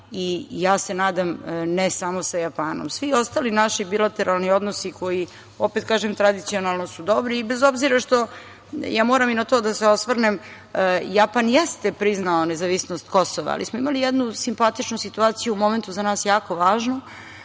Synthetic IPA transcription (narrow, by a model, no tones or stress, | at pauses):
ijaːse̞naːd̪amnesamo̞sajapaːno̰msʋio̞st̪alinaʃibilat̪eɾʔalˠnio̞d̪nosiko̞ji | opet̪̚kaːʒemt̪ɾad̪it̪sionalˠnosud̪o̞bɾiːbezo̞bziɾaʃt̪o̞ | jaːmoːɾaminat̪oːd̪aseosʋrnem | japanjɛst̪epɾiznaonezaʋisnost̪ko̞soʋa̰a̰lḭsmoimalijɛd̪nusimpat̪it͡ʃnusit̪uaːt̪sijuumo̞me̞nt̪uzanaːsjaːko̞ʋaːʒno